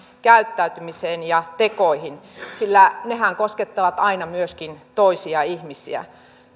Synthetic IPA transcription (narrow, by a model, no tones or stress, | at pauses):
kæyt̪ːæyt̪ymiseːnjɑt̪ekoihinsilːænehæŋkosket̪ːɑʋɑt̪ɑinɑmyøskint̪oisiɑihmisḭæ̰